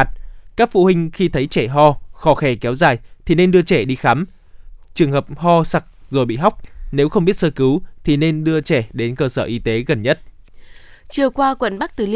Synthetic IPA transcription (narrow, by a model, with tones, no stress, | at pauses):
t̚kaː˦˥k̚fṵ˧˨hï˧ŋ̟xi˧t̪ʰə˨˦jt͡ɕɛ˧˩ɦɔ˧xɔ˨˧˦xɛ˧˩kɛ˨˦wzaː˨˩jt̪ʰi˨˩ne˧nɗɨ˧ət͡ɕɛ˧˩ɗi˧xa˨˦m | t͡ɕɨ˨˩əŋhəː˨˩p̚hɔ˧sa˨˩k̚zo˨˩jɓḭ˧˨ɦa˦˥wk͡p̚ne˨˦wxə˧wŋ͡mɓi˦˥ət̚səː˧kɨ˨˦wt̪ʰi˨˩ne˧nɗɨ˧ət͡ɕɛ˧˩ɗe˨˦nkəː˧səː˧˩ʔi˨˦t̪e˨˦ɣə˨˩nɲə˦˥t̚ | t͡ɕi˨˩əwkwaː˧kwə̰˧˨nɓa˦˥k̚t̪ɨ˨˩li˧